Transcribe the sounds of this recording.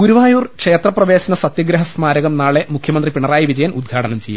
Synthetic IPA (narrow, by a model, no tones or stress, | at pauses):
ɡuɾuʋaːjuːrkʂeːt̪rɐprɐʋe̞ːɕɐnɐsɐt̪jɐɡɾɐɦɐsmaːɾɐɣɐmnaːɭe̞mukʰjɐmɐnd̪ripiɳɐraːjɐʋid͡ʑɐjɐnud̪̚ɡʰʱaːʈɐnɐmt͡ɕeja̰